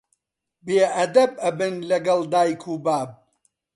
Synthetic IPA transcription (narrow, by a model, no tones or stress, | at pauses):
beːʔɐd̪ɐb̚ɐbɨnlɐɡɐld̪aːjkʰuːbaːb̚